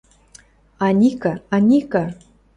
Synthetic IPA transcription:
anʲikaanʲika

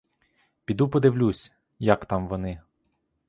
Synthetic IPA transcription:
pʲid̪upɔd̪ɪwlʲusʲ | jɐkt̪ɑmʋɔnɪ

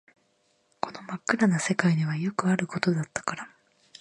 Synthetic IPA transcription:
ko̞no̞makːɯ̟ɾanase̞kaiɲ̟iβajo̞kɯ̟aɾɯ̟ko̞t̪o̞d̪at̪ːḁkaɾa

